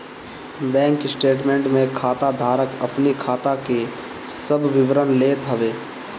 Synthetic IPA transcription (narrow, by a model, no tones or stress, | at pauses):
bɛ̃ːŋkɪsʈeːʈmẽːɳʈmẽkʰaːt̪ad̪ʱaːɾəkɐpnikʰaːt̪ake | səbʱʋɪʋɾənleːt̪ɦɐʋeː